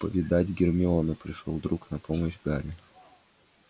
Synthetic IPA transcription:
pəvʲɪd̪atʲɡʲɪrmʲɪonɨpɾʲɪʂlˠo̰lˠd̪ɾuknɐpoməɕɡaɾʲɪ

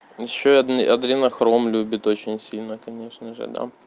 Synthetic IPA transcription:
jɪɕːoɐd̪nɨɐd̪ɾʲinɐxɾomlʲubʲɪt̪ot͡ɕɪnʲsʲilʲnəkɐnʲe̞ʂnəʐɨ̰d̪a̰

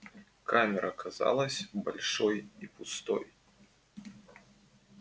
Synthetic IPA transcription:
kʰamʲɛɾʔɐkʰaza̰lˠɐsʲbalʲʂɔjipust̪ɔ̰j

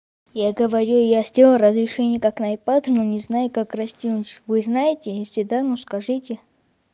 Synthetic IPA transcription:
jaɡəvɐɾʲujasʲdʲelˠəɾɐzɾʲɪʂɛnʲɪjəkaknajpat̪nonʲɪznajʊkakrɐsʲtʲinʊtʲvɨznajɪtʲɪjesʲɪd̪anoskɐʐɨtʲɪ

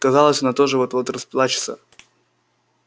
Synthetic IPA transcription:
kɐzɑlˠəsʲɐnat̪oʐɨvot̪vot̪rɐspʲlˠat͡ɕɪ̥t̪sə̰

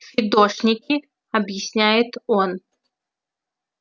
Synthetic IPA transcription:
fʲid̪ɔʂnʲikʲi | ɐbjɪsʲnʲajɪt̪ɔn

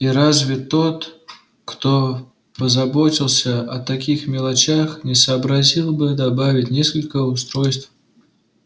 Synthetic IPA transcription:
iɾazvʲɪt̪o̞t̪ | kt̪o | pəzɐbotʲɪlˠsʲəʔɐt̪ɐkʲixmʲɪlˠɐt͡ɕaxnʲɪsəːbɾɐzʲilˠbɨd̪ɐbavʲɪtʲnʲeskəlʲkəʊst̪ɾojst̪f

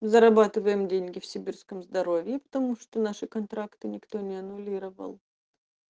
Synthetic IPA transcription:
zəɾɐbat̪ɨvəjɪmdʲenʲɡʲɪfsʲɪbʲirskəmzd̪ɐɾo̞vʲjɪpə̥t̪ɐmuʂt̪onaʂɨkɐnt̪ɾakt̪ɨnʲɪkt̪o̞nʲɪɐnʊlʲiɾəvə̰lˠ

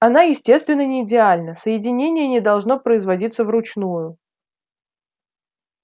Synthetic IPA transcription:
ɐnajɪsʲtʲe̞st̪vʲɪnːənʲɪːdʲɪalʲnəsəjɪdʲɪnʲenʲɪjənʲɪd̪ɐlˠʐno̞pɾəɪzvɐdʲit̪səvrʊt͡ɕnujʊ

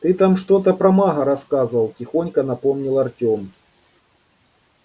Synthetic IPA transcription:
t̪ɨt̪amʂt̪ot̪ɐpɾɐmaɦɐɾɐskazɨvɐlˠtʲɪxonʲkɐnɐpomnʲilˠɐrtʲom

